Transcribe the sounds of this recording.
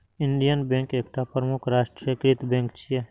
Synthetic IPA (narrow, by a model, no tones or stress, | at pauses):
ɪɳɖijənbẽŋkeːkʈapɾəmʊkʰɾaːʃʈɾəkɾɪt̪bẽːŋkt͡ʃʰije